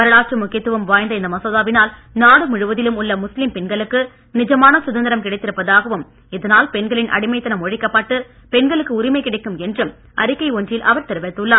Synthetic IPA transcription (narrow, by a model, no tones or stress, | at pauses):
mɐɾɐɭaːʈrɯmʊkːɪjɐt̪ːɯʋɐmʋaːjnd̪ɐɪnd̪ɐmɐsɐðaːʋɪnaːlnaːɽɯmʊɻɯʋɐðɪlɯmʊɭːɐmʊslɪmpɛnɡɐɭɯkːɯ | nɪd͡ʒɐmaːnɐsʊðɐnd̪ɐɾɐmkɪɽɐɪt̪ːɪɾɯpːɐðaːɣɐʋɯm | ɪðɐnaːlpɛnɡɐɭɪnʔɐ̰ɽɪmɐɪt̪ːɐnɐmɔɻɪkːɐpːaːʈːɯpɛnɡɐɭɯkːɯʊɾɪmɐɪkːɪɽɐɪkːɯmɛndrɯm | ʔɐ̰ɾɯkːɐɪɔndrjɪlʔɐ̰ʋɐɾt̪ɪɾɯʋɐɪt̪ːɯɭːɐːɾ